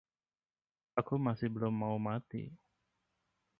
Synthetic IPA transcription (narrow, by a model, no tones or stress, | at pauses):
akumasɪhbəlʊmːaumat̪ḭ